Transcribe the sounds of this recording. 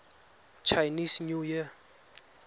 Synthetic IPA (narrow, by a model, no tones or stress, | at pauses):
t͡ʃʰajnisɲuji